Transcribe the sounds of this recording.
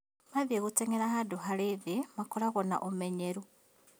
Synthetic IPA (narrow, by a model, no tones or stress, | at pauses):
maβeɣuteŋeɾaxaduxaliβimakolaɣona̰ʔomeɲeɾu